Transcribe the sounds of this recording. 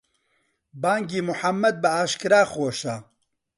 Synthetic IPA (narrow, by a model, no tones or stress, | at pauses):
baːŋɡiːmʊħamːɐd̪̚bɐaːʃkɨɾaːxoːʃaː